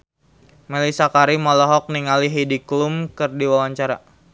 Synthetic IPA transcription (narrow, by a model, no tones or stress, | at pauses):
melisakaɾimɔlɔɦɔk̚niŋaliɦidiklumkɨrdiwawaɲt͡ʃaɾa̰